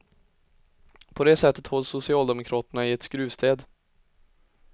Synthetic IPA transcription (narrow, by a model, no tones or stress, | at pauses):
pʰɔd̪ɛːsɛt̪ʰːət̪hɔlːsʊsɪɑːld̪ɛmʊkʰɾɑːt̪əɳaɪɛt̪skɾʉ̟ːst̪ʰeːd̪